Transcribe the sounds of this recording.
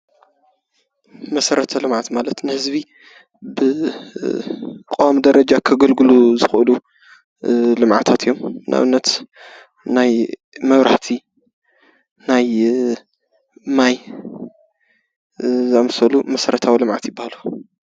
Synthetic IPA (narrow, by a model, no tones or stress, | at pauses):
mɐsɐɾɐt̪ʰɐlɨmʕat̪malɐt̪nɨhɨzbi | bɨ | kʼowamd̪ɐɾɐd͡ʒakʰɐɡɐlɡɨluzɨxʔɨlu | lɨmʕa̰t̪ʰat̪ʰɨjːomnʔa̰βɨnːɐt̪ | naj | mɐβɾaħt̪ʰi | naj | maj | zɨamsɐlumɐsɐɾɐt̪ʰawilɨmʕa̰t̪jɪbːahalu